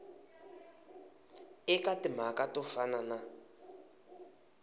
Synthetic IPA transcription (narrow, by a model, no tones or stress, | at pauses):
ɪkatɪm̤akatɔfanana